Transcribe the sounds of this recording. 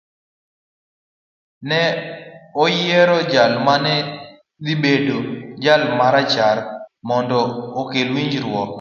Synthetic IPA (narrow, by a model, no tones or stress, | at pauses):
nɛ | ɔjɛɾɔd͡ʒalmanɛ | d̪ibedod͡ʒalmaɾat͡ʃaɾmɔndɔːkelwiɲd͡ʒɾwɔk